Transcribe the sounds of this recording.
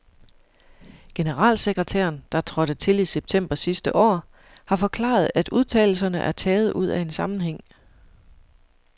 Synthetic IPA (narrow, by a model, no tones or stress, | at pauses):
ɡ̥e̝nəʁɑ̰̈ːlseɡ̥ʁət͡sʰæ̰ːɐnd̥ɑ̈t͡sʰʁɒ̽ɾ̥ət͡sʰe̝liseb̥̚t͡sʰem̰b̥ɐsisd̥əʔɒ̰ː | hɑ̈fɒ̽kʰlɑ̰̈ːð̞̩ˠæd̥uð̞ˠt͡sʰɛ̰ːl̩sɐnəʔæɐt͡sʰɛːð̞̩ˠuð̞̰ˠæe̝nsɑ̈mn̩ɦeŋ̰